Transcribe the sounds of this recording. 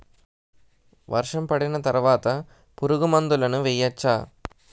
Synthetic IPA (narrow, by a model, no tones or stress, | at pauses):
ʋɐɾʂɐmpɐɽɪnɐt̪ɐɾʋaːt̪ɐ | pʊɾɯɣɯmɐnd̪ɯlɐnɯʋɛjːɐt͡ʃːaː